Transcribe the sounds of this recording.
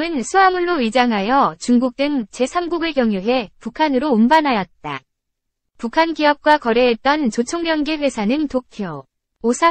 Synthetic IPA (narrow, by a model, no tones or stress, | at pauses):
ɯnsʰuɦamuɭːoid͡ʑaŋɦajʌt͡ɕuŋɡuk̚t͈ɯnt͡ɕe̞sʰamɡuɡɯɭkjʌŋjuɦe̞pukʰanɯɾoːmbanɦajʌt̚t͈a | pukʰanɡiʌp̚k͈wakʌɾe̞ɦːt̚t͈ʌnt͡ɕot͡ɕʰoŋmjʌnɡebwesʰanɯntopʰio | osʰa